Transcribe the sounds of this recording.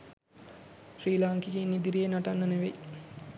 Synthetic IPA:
ʃriːlaŋkiɡiːnːid̪iɾijenaʈanːəneʋej

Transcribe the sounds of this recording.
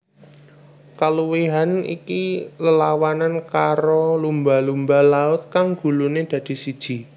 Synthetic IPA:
kaluwiɦanḭkiləlawanankaɾolumbalumbalaʊt̪̚kaŋɡ̥ṳluned̪̥ä̤d̪̥i̤sid̥ʒ̥i̤

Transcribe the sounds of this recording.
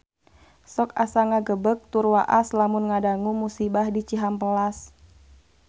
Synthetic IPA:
sɔkasaŋaɡəbək̚t̪urwaʔaslamʊnŋadaŋumusibahdit͡ʃiɦampəlas

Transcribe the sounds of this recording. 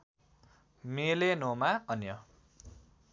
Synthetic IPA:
melenomaʌnjʌ

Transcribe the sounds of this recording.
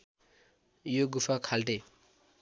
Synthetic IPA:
joɡupʰakʰalʈ̪e

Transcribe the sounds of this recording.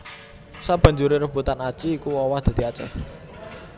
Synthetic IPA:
sab̥ä̤ɲd͡ʒuɾeɾəb̥ut̪anad̥ʒ̥i̤ːkuwɔwad̪̥a̤d̪̥iat͡ʃɛ̰h

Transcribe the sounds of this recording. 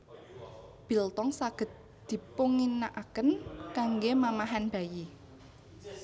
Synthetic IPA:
b̥i̤lt̪ɔŋsaɡ̥ə̤t̪̚ | d̪̥i̤puŋinaʔakənkaŋɡemamaɦanb̥a̤ji

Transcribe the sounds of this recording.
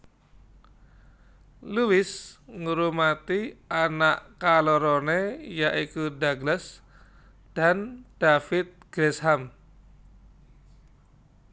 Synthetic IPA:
luwɪsŋuɾumat̪ianaʔkaloɾonejaʔikudaɡlas | d̥and̥afɪt̪̚ɡ̥ɾɛsɦam

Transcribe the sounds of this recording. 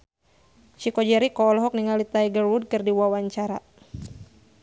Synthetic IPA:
t͡ʃikɔd͡ʒɛɾikɔːlɦɔk̚niŋalit̪ajɡərwud̚kɨrdiwawaɲt͡ʃaɾa̰

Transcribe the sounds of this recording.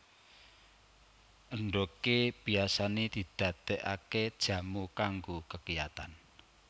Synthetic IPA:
ʔəɳɖokeb̥i̤asaned̪̥i̤d̪̥ä̤t̪ɛʔaked̥ʒ̥ä̤mukaŋɡokəkijat̪an

